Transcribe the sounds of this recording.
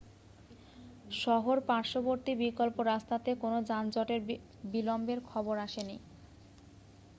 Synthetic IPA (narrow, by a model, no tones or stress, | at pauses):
ʃɔɦoɾpaɾʃoboɾt̪ibikolpoɾast̪at̪ekonod͡ʑand͡ʑɔʈeɾ | bilɔmbeɾkʰɔboɾaʃeni